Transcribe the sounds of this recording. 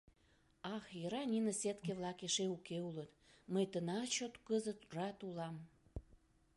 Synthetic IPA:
ɑxjəɾɑnʲinəset̪keβlɑkeʃeukeulət̪ | məjt̪ənɑt͡ɕot̪kəzət̪rɑt̪ulɑm

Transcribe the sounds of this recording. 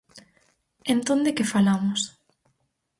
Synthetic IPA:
ent̪ond̪ekɪfalamʊs

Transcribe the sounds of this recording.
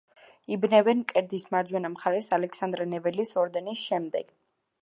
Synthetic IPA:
ibnɛvɛnkʼɛɾd̪ismaɾd͡ʒwɛnamχaɾɛsalɛkʰsand̪ɾɛnɛvɛlisɔɾd̪ɛnisʃɛmd̪ɛ̰ɡ̥

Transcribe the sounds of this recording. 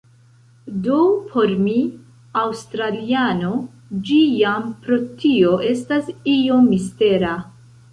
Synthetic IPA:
dopʰo̞ɾmi | awstɾaliano̞ | d͡ʒijampɾo̞tio̞ʔe̞stasio̞mːiste̞ɾa

